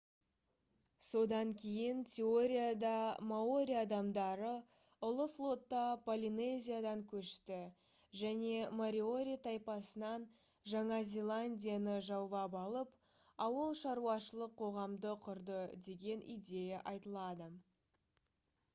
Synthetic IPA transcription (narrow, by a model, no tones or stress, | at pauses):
so̞d̪ɑŋkʲʰe̞jɪnt̪ʲʰe̞o̞ɾʲijad̪ɑmao̞ɾʲijaːd̪ɑmd̪ɑɾə | ʊlˠəflˠo̞t̪ːɑpʰolʲinezʲijad̪ɑŋkʲʰɵʃt̪ɪ | ʒæne̞moɾio̞ɾʲijt̪ʰɑjpɑsənɑn | ʒɑɴɑzʲe̞lˠanʲdʲijanəʒɑwlˠɑpɑlˠəp | ɑwəlˠʃɑɾuɑʃəlˠəqʰːo̞ʁɑmd̪əqʰʊɾd̪əd̪e̞ɡʲe̞nʔḭd̪ʲe̞jaʔɑjt̪əlˠɑd̪ə